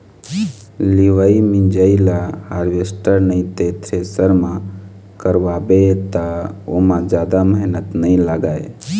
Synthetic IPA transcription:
liʋaimĩnd͡ʒailahaːɾʋesʈəɾnəĩt̪et̪ʰɾesəɾmã | kəɾʋaːbet̪aomãd͡ʒjaːd̪aməɦnət̪nəĩlaɡaːḛ

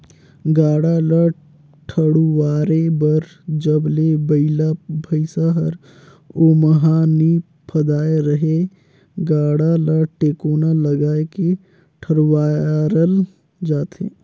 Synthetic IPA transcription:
ɡaːɽalə | ʈʰəɽuwaːɾebəɾ | d͡ʒəblebəɪlabʱəɪsaɦəɾ | oːmɐɦaːni | pʰəd̪aːeɾəɦe | ɡaːɽaləʈeːkoːnalɐɡaːeke | ʈʰəɽwaːɾəl | d͡ʒaːt̪ḛː

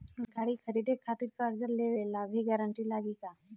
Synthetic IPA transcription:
ɡʱaːɽikʰəɾiːd̪ʱekʰaːt̪iɾkaɾd͡ʒəɾleːʋelabʱiɡɛːɾəɳʈilaːɡikaː

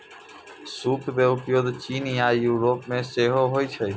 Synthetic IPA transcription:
suːpʰmẽːʊpjoːd̪t͡ʃiːnijaːjuːɾoːpmẽːseːɦoːɦoːiːt͡ʃʰe

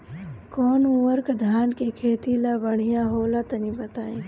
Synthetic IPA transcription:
kɔːnuːəɾkd̪ʱaːnkekʰeːt̪ilabəɽ̤ijaɦoːlat̪ɐnibɐt̪aːiː

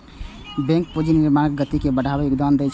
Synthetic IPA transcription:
bɛ̃ŋk̚pod͡ʒinːiɾmaɾək̚ɡət̪ikebəɽʱabeokd̪and̪ɛt͡ʃʰ

